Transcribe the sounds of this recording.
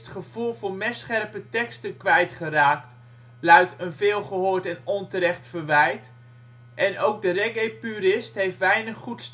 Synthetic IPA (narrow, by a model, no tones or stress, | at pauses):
ətχəv̥ulˠvʊːɹmɛsχɛrpətɛkstənkʋɛjtχəraːkt | lœɥtənvɪːlˠχəɦoːɹtɛnɔntəɾɛχtfərʋɛjt | ʔɛnowɡ̚dərɛɡejpyɾɪstɦejftʋɛjnəχːuts